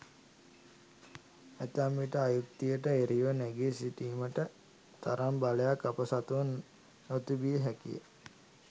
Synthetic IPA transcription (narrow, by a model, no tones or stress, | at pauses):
æt̪amːiʈəajuk̚t̪ijəʈəeɾiʋənɛɡesiʈiːməʈə | t̪aɾambaləjakːapəsat̪uʋn | not̪ubijəɦɛkḭjə̰